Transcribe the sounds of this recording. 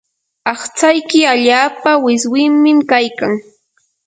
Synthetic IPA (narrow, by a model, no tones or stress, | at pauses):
ɑχt͡sajkɪaʎaːpawɪswɪmmɪmkajkaŋ